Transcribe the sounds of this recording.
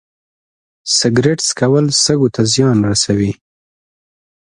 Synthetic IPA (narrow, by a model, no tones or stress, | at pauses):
sɪɡɾeʈskawəlsəɡot̪ʰazjɑnɾasawi